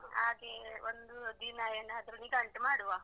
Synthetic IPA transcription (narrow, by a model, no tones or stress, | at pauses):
a̰keʋənd̪ud̪inajenat̪ɾunikaɳʈəmaɽuʋa